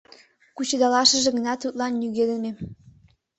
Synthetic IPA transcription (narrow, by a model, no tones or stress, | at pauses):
kut͡ɕed̪ɑlɑʃə̆ʒĕɣə̆nɑt̪ut̪̚lɑnːyɣeleme